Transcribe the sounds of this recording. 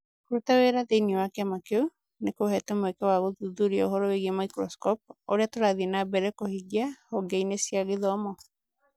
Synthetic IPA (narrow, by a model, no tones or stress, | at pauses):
koɾutaweɾaðeiniwakɛamakeu | nekohɛtɛmwɛkɛwaɣoðuðuɾiaoɦɔɾɔeɣemaikɾɔskɔp̚oɾeatoɾaðienabɛɾɛkohiɡjahɔɡɛinesjaɣeðɔːmɔ